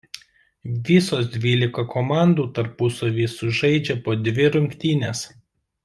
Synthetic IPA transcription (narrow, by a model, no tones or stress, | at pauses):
ʋʲisoːsd̪ʲʋʲiːlʲɪkɐkomɑˑnd̪uːt̪ɐɾpʊsoʋʲiːsʊʒɐɪd͡ʒʲɛpoːd̪ʲʋʲɪɾʊŋʲkt̪ʲiːnʲeːs